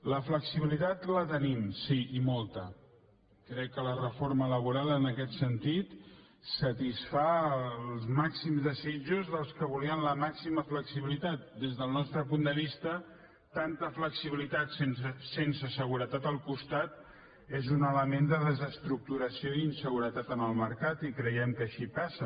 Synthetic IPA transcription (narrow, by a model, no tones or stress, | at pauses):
ləfləksiβilit̪at̪lət̪ənimsiimɔlˠt̪ə | kɾɛkːələrəfoɾmələβ̞uɾalˠənəkɛt̪sənt̪it̪ | sət̪isfalˠzmaksimzðəzid͡ʒuzðəlˠskəβ̞uliənləmaksiməfləksiβilit̪at̪̚d̪ezðəlˠnɔst̪ɾəpund̪əβist̪ə | t̪ant̪əfləksiβilit̪at̪sensensəsəɣ̞uɾət̪at̪əlˠkust̪at̪̚ | ezunələmend̪əðəzəst̪ɾuk̚t̪uɾəsioiinsəɣuɾət̪at̪ənəlˠməɾkat̪ikɾəjɛmkəːʃipasə